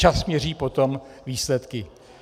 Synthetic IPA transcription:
asmɲɛr̝iːpo̞t̪o̞m | viːslɛt̪kɪ

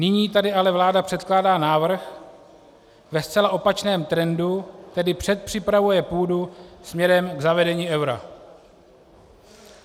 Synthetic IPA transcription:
nɪɲiːt̪adɪʔalɛvlaːdapr̝̥ɛt̪klaːdaːnaːvr̩x | vɛst͡sɛlaʔo̞pat͡ʃnɛːmt̪ɾɛndut̪ɛdɪpr̝̥ɛt̪̚pr̝̥ɪpɾavujɛpuːdusmɲɛɾɛmɡzavɛdɛɲiːʔɛwɾa̰

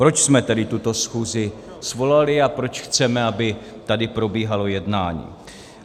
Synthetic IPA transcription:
pɾo̞t͡ʃsmɛt̪ɛdɪt̪ut̪o̞sxuːzɪ | svo̞lalɪapɾo̞t͡ʃxt͡sɛmɛabɪ | t̪adɪpɾo̞biːɦalo̞jɛdnaːɲḭː

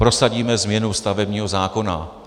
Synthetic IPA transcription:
pɾo̞saɟiːmɛzmɲɛnust̪avɛbɲiːɦo̞zaːko̞na̰

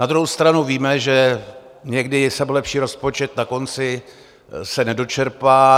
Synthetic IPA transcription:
nad̪ɾuɦowst̪ɾanuviːmɛʒɛ | ɲɛɡdɪsɛbolɛpʃiːɾo̞spo̞t͡ʃɛt̪nako̞nt͡sɪ | sɛnɛdo̞t͡ʃɛɾpaː

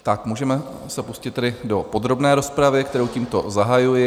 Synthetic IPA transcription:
t̪akmuːʒɛmɛ | sɛpuscɪt̪ːɛdɪdo̞po̞d̪ɾo̞bnɛːɾo̞spɾavɪkt̪ɛɾowciːmt̪o̞zaɦajujɪ

